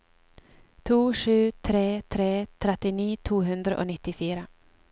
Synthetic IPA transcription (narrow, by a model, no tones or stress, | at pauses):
t̪ʰuːʂʉ̟ːt̪ʰɾeːt̪ʰɾeːt̪ʰɾɛt̪ːɪniːt̪ʰuːɦɵnd̪ɾa̰ʔo̰nɪt̪ːɪfyːɾa